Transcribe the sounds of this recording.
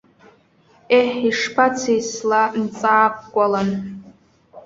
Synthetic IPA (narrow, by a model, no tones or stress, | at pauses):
eħiʂpʰat͡sʰijslant͡sʼaːp̚ʼkʷʼalan